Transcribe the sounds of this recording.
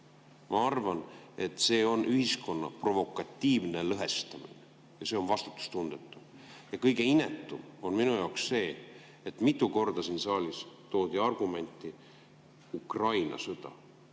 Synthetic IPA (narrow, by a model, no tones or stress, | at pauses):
mɑɑrvɑne̞t̪ːˑse̞ːo̞nʔyhisko̞nːɑ̰pro̞vo̞kːˑɑt̪ʲːiːvne̞lɤɦe̞st̪ɑmḭne | jɑse̞o̞nvɑst̪u̥t̪ːu̥st̪und̪̥e̞t̪ːˑu | jɑkɤjɡe̞ine̞t̪ːˑumo̞nminujɑwksse̞ː | et̪ːˑmit̪ːˑuko̞rd̪̥ɑsiːnsɑːlʲist̪o̞ːd̪ʲiɑrɡ̥ume̞nʲt̪ˑːi | ukrɑjnɑ̰sɤd̪̥ɑ̰